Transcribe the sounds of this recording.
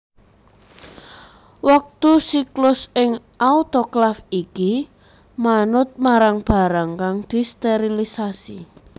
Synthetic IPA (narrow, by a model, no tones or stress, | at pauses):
wak̚t̪usiklʊsɪŋ | ʔaut̪oklafiki | manʊt̪̚maɾaŋb̥a̤ɾaŋkaŋd̪̥i̤st̪eɾilisasi